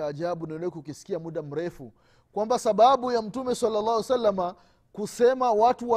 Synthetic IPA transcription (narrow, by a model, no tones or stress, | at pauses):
aːʄaɓunɛlɛkkisi̥kiamuɗam̩ɾɛfu | kwambasaɓaɓujam̩tumɛsalːalːɑːhwsalːama | kusɛmawatuwa